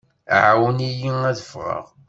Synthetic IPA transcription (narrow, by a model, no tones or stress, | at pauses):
ʕawənijiæðəfʁə̰ʁ